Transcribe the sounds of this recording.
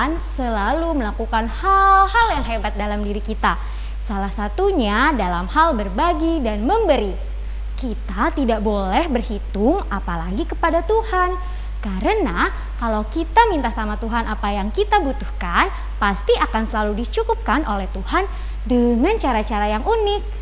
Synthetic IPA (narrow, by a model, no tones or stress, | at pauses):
nsəlaluməlakukanhalɦaljaŋɦebat̪̚dalamdiɾikit̪a | salahsat̪uɲadalamhalbərbaɡidanməmbəɾi | kit̪at̪idaʔbolɛhbərhit̪ʊŋapalaɡikəpadat̪uhan | kaɾəna | kalawkit̪amint̪asamat̪uɦanʔapajaŋkit̪abut̪uhkan | past̪iʔakansəlaludit͡ʃukup̚kanʔolɛht̪uhan | dəŋant͡ʃaɾat͡ʃaɾajaŋʔunɪk̚